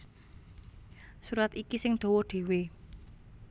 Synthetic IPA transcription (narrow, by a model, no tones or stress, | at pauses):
suɾat̪ikisɪŋd̪̥o̤wɔɖ̪̥e̤we